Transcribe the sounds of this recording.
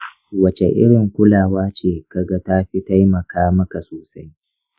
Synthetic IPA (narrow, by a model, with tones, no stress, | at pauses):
wɐ˨t͡ʃḛ˨ʔɪ̰˦ɽɪ˨ŋkʷʊ˦laː˨waː˦t͡ʃeː˨kɐ˨ɡa˦ta˦ɸi˦ta˦jmɐ˨kaː˦mɐ˦ka˨soː˨sa˦j